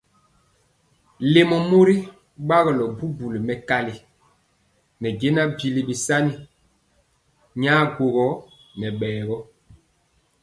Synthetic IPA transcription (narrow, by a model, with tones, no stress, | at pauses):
le˨mɔ˨mo˦ɾi˦ | ɓa˦ɣlɔ˨bu˦bu˨li˨mɛ˦ka˦li˨ | nɛ˨ɡe˦na˦bi˨li˨bi˨sa˦ni˨ | ɲaː˦ɡo˨ɣɔ˦ | nɛ˨ɓɛː˨ɣɔ˦